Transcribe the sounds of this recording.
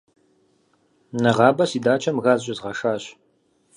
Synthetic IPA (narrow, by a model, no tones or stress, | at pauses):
nɐʁɑːbɐsiːdaːt͡ʃʰʼɐmɣaːzɕʼɪzʁɐʂaːɕ